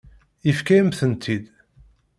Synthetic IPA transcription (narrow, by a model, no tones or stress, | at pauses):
ifkæmθənt̪ʰid̪